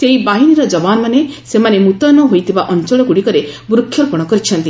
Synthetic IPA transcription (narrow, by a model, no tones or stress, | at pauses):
seibaɦiniɾɔd͡ʒɔbanɔmanesemanemut̪ɔnɔɦojt̪ʰibaʔɔnt͡ʃɔɭɔkuɽikɔɾebɾukʰːjɔɾpɔɽ̃ɔkɔɾit͡ʃʰɔnt̪i